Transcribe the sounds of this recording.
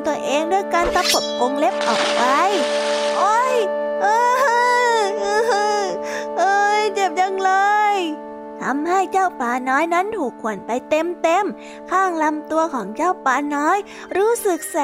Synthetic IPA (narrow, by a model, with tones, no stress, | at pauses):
t̪u˧ɐʔeː˧ŋdu˥˩əjkaː˧nt̪a˦˥pʰo˨˩p̚ko˧ŋle˦˥p̚ʔɔ̰ː˨˩k̚pa˧jʔo˧˥jʔɤː˧˩˧ | ʔɤː˧˥ʔɤː˧jt͡ɕe˨˩p̚ja˧ŋlɤː˧j | t̪ʰa˧mha˥˩jt͡ɕaː˥˩wpaː˧nɔː˦˥jna˦˥˨nhuː˨˩kʰːu˨˩ənpa˧jt̪e˧mt̪e˧m | kʰaː˥˩ŋla˧mt̪u˧ɐkʰɔː˩˦ŋt͡ɕaː˥˩wpaː˧nɔː˦˥j | ɾuː˦˥sɯ˨˩k̚sa˨